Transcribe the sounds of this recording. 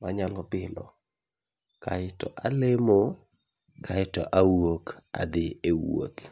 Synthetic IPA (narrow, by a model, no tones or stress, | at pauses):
maɲalɔbɪlɔ̰ | kaɪtɔʔalemo | kʰaɪtɔʔawoka̰d̪ɪewo̰t̪